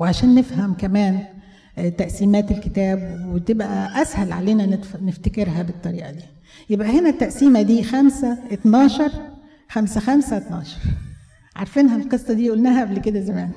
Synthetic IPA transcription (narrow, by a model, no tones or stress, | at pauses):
weʕaʃæːnːefhæmkæmæːn | t̪æʔsiːmæːt̪elkɪt̪æːbwet̪ebʔæʔæshælʕa̰leːnæneft̪ækeɾɦæbet̪ˤːɑɾiːʔɑ̰d̪iː | jebʔæhenæt̪ːæʔsiːmæd̪iːxæmsæʔet̪nɑːʃɑɾˤ | xæmsæxæmsæt̪nɑːʃɑ̥ɾˤ | ʕɑ̰ɾˤfiːnɦælqesˤːɑd̪iːʔuːlnæːɦæʔæblked̪æzæmæːn